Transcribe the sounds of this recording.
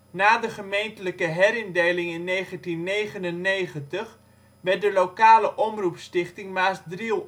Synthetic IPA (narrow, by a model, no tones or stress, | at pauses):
naːdəχəmejntələkəɦɛɾɪndejlɪŋɪnːejχəntinːeːχənənːeːχəntəχ | ʋɛrt̚dəlokaːləʔɔmrupstɪχtɪŋmaːsdrilˠ